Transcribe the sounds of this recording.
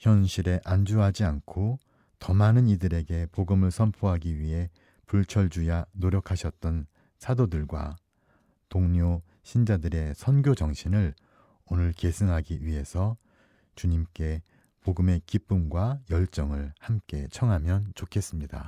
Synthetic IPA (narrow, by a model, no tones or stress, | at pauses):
çjʌnɕʰiɾe̞ʔand͡ʑuɦad͡ʑiankʰo | tʌmanɯnidɯɾe̞ɡe̞poɡɯmɯɭsʰʌmpʰoɦaɡiɥiɦe̞ | puɭt͡ɕʰʌɭd͡ʑujanoɾjʌkʰaɕʰʌt̚t͈ʌn | sʰadodɯɭɡwa̰ | toŋɲo | ɕʰind͡ʑadɯɾe̞sʰʌnɡjod͡ʑʌŋɕʰinɯɭ | onɯɭke̞sʰɯŋɦaɡiɥiɦe̞sʰʌ | t͡ɕuɲimk͈e̞ | poɡɯme̞kip͈umɡwajʌɭt͡ɕ͈ʌŋɯɭhamk͈e̞̰t͡ɕʰʌŋɦamjʌnt͡ɕokʰe̞s͈ɯmɲida̰